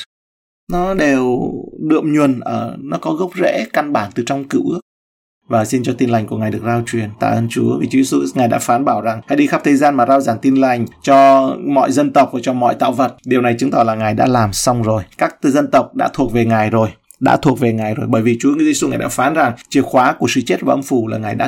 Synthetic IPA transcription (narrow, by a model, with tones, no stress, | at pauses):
nɔ˨˦ɗe˨˩wɗɨ̰˧˨əmɲwu˨˩ənʔəː˧˩nɔ˨˦kɔ˨˦ɣə˦˥wk͡p̚zḛ˧˥ka˧nɓaː˧˩nt̪ɨ˨˩t͡ɕɔ˧wŋ͡mkɨ̰˧˨ʔək̚ | vaː˨˩si˧nt͡ɕɔ˧t̪i˧nla˨˩jŋ̟ku˧˩əa˨˩jɗɨ˨˩ək̚zaː˧wt͡ɕwi˨˩ənt̪a̰ː˧˨ʔəː˧nt͡ɕu˨˦əvi˨˩t͡ɕu˨˦e˧su˧ŋaː˨˩jɗa̰ː˧˥faː˨˦nɓaː˧˩wza˨˩ŋha̰˧˥jɗi˧xaː˦˥p̚t̪ʰə˨˩jzaː˧nmaː˨˩zaː˧wzaː˧˨˩ŋt̪i˧nla˨˩jŋ̟t͡ɕɔ˧mɔ̰˧˨jzə˧nt̪ə˨˩wk͡p̚vaː˨˩t͡ɕɔ˧mɔ̰˧˨jt̪a̰ː˧˨wvə˨˩t̚ɗi˨˩əwna˨˩jt͡ɕɨ˨˦ŋt̪ɔ˨˩laː˨˩ŋaː˨˩jɗa̰ː˧˥laː˨˩msa˧wŋ͡mzo˨˩jkaː˦˥k̚zə˧nt̪ə˨˩wk͡p̚ɗa̰ː˧˥t̪ʰu˨˩ək̚ve˨˩ŋaː˨˩jzo˨˩j | ɗa̰ː˧˥t̪ʰu˨˩ək̚ve˨˩ŋaː˨˩jzo˨˩jɓəː˧˩jvi˨˩t͡ɕu˨˦˧su˧ŋaː˨˩jɗa̰ː˧˥faː˨˦nza˨˩ŋt͡ɕi˨˧˩əwxwaː˨˦ku˧˩əsɨ̰˧˨t͡ɕe˦˥t̚vaː˨˩ʔə˧mfu˧˩laː˨˩ŋaː˨˩jɗa̰ː˧˥